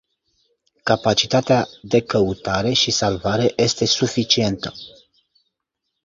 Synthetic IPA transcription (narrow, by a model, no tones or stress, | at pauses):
kapat͡ʃit̪at̪ead̪e̞kəut̪aɾe̞ʃisalvaɾe̞jʔe̞st̪e̞sufit͡ʃie̞nt̪ə